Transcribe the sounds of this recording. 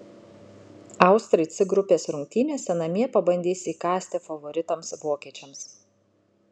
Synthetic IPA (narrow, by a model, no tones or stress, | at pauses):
ɑˑʊst̪ɾɐɪt̪sʲɪɡɾʊpʲeːsɾʊŋʲk̚ʲt̪ʲiːnʲeːsʲɛnɐmʲiɛpɐbɐnʲd̪ʲiːsʲiːkɑːsʲt̪ʲɪfɐʋɔɾʲɪt̪ɐmsʋoːkʲiɛt͡ʃʲɛms